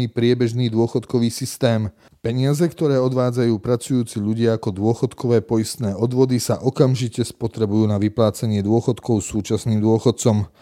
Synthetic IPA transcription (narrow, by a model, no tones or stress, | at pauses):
iːpɾɪɛbɛʒniːd̪ʊɔxɔt̪kɔʋiːsist̪ɛːm | pɛɲɪazɛkt̪ɔɾɛːɔd̪ʋaːd͡zajuːpɾat͡sujuːt͡siʎuɟɪaakɔd̪ʊɔxɔt̪kɔʋɛːpɔjist̪nɛːɔd̪ʋɔd̪isaʔɔkamʒicɛspɔt̪ɾɛbujuːnaʋiplaːt͡saɲɪɛd̪ʊɔxɔt̪kɔʊsuːt͡ʃasniːmd̪ʊɔxɔt̪̚t͡sɔm